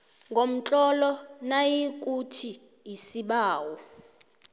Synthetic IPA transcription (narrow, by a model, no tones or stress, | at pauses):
ŋɡʱom̩t͡ɬʼɔlɔnajik̬ʼutʰi | isiɓaːwɔ